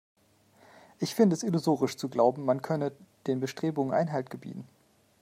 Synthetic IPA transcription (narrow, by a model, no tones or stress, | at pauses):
ʔɪçfɪndəɛsɪlozoːʁɪʃt͡suɡlaʊbm̩mankʰœnəd̥eːnbəʃtʁ̥eːbʊŋənʔa̰ɪnɦaltɡ̥əbḭːtn̩